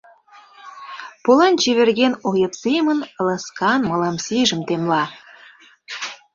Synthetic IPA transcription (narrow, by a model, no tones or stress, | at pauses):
polɑnt͡ɕiβerɣenojəpsimənlɑskɑnmɤlɑmsiʒə̆mt̪emlɑ